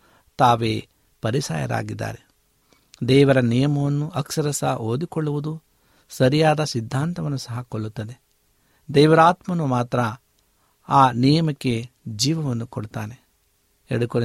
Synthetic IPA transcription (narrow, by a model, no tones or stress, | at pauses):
t̪aːʋeː | pɐɾisa̰ːjɐ̰ɾa̰ːɡid̪ːa̰ːɾe̞ | d̪ɛːʋɐɾɐnijɐmɐʋɐnːuʔɐksɐɾɐsɐʔoːd̪ikɔɭːuʋud̪u | sɐɾijaːd̪ɐsid̪ʱːaːnt̪ɐʋɐnːusɐɦɐkoɭːut̪ːɐd̪e̞ | d̪ɛːʋɐɾaːt̪mɐnumaːt̪ɾɐ | aːnijɐmɐkːe̞ | d͡ʒiːʋɐʋɐnːukoɽut̪aːne̞ | eɽuko